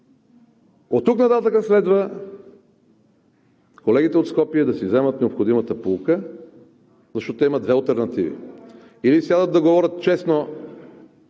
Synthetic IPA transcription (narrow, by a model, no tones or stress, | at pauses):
ot̪ːuknɐt̪at̪əkəslɛd̪və | kolɛɡit̪ɛot̪skɔpiɛd̪ɐsivzɛmət̪nɛopxod̪imət̪əpukə | zɐʃt̪ɔt̪iməd̪vɛɐlˠt̪ɛɾnɐt̪ivḭ | ilisjʲad̪ət̪d̪ɐɡovɔɾʲət̪t͡ʃɛsno